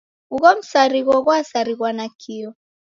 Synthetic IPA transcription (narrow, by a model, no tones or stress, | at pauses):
uɣɔm̩saɾiɣwɔɣwasaɾiɣwanakʰiɔ